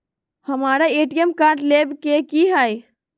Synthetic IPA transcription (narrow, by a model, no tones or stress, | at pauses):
həmaɾaeʈijəmkaɾʈlebkekiɦəj